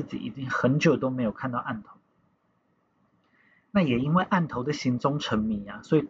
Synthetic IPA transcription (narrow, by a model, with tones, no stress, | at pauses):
ɨ˥˨t͡ɕḭ˨˩ḭ˨˩t͡ɕi˦ŋxə˧˦nt͡ɕjo˨˩ʊt̪o˦˥me˧˥ɪjo˨˩ʊkʰa˥˧nt̪ɑ˥˧ʊʔa˥˩nt̪ʰo˧˦ʊ | na˥˩jɛ˨˩i˦nwe˥˧ɪʔa˥˩nt̪ʰo˧˦ʊd̪ə˨ɕi˨˧˦nt͡sʊ˥ŋʈ͡ʂʰə˧˥nmi˨˥˦a˦swɔ˧˥i˨˩